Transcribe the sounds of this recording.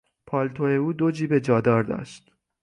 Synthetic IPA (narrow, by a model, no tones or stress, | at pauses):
pʰɒːlt̪ʰoeuːd̪o̞d͡ʒiːbed͡ʒɒːd̪ɒːɾd̪ɒ̰ːʃt̪